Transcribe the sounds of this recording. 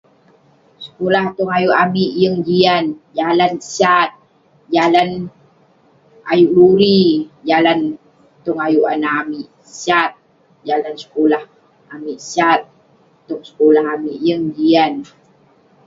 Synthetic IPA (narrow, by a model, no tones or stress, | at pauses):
sə̥kolaht̪ɔŋajuʔamiʔjəŋd͡ʒiand͡ʒalansat̪̚ | d͡ʒalan | a̰juʔluɾid͡ʒalan | t̪ɔŋajuʔanaːmiʔ | sat̪̚ | d͡ʒalansə̥kolah | amiʔsat̪̚ː | ɔŋsə̥kolahamiʔjəŋd͡ʒian